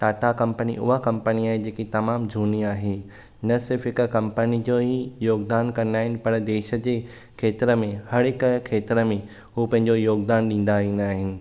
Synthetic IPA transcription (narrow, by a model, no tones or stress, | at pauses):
ʈaːʈakɐ̃mpəniʔʊ̰ɦakɐ̃mpəniaːɦed͡ʑeːkit̪ɐmaːmd͡ʑʱuːniaːɦeː | nɐsɪɾfɪkkɐ̃mpənid͡ʑoːijoːɡd̪aːnkɐ̃nd̪aːɦɪnɪ̆pɐɾd̪eːʃə̆d͡ʑeː | kʰeːt̪ɪɾəmẽhɐɽɦɪkkʰeːt̪ɾəmẽ | ɦuːpɐ̃ɦɪ̃ɲd͡ʑojoːɡd̪aːnɗĩːn̆d̪aiːnaːɦɪnɪ̆